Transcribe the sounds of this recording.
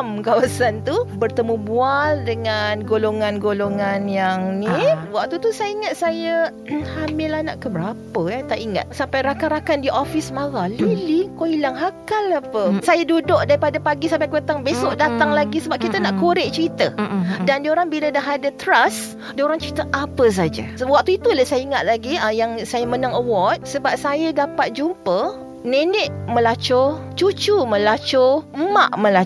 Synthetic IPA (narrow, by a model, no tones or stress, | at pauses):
mkawasant̪ubərt̪əmubualdəŋanɡoloŋanɡoloŋanjaŋniwaʔ̚t̪ut̪usajəiŋat̪̚sajə | hamɪlanaʔkəbəɾapəjat̪aʔiŋa̰t̪̚sampajɾakaɾakandiʔofismaɣalilikoilaŋɦakalapəsajadudʊʔ̚daɾipadapaɡisampajkət̪aŋbesoʔdat̪aŋlaɡisəbap̚kit̪ənaʔkuɾɪʔ̚t͡ʃəɾit̪ədandioɾaŋbiladaɦadət̪ɾas | dioɾaŋt͡ʃəɾit̪aʔapəs̬ad͡ʒa̰waʔ̚t̪uit̪uləsajaiŋat̪̚laɡiəjaŋsajamənaŋəwɔt̪̚səbap̚sajadapat̪̚d͡ʒumpə | nenɛʔmə̃lat͡ʃɔt͡ʃut͡ʃumə̃lat͡ʃʊma̰ʔmə̃la